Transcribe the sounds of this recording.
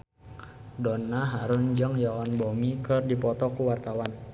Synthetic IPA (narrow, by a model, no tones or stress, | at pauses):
dɔnːaɦaɾʊnd͡ʒəŋjɔɔnbomikɨrdipɔt̪ɔkuwart̪awan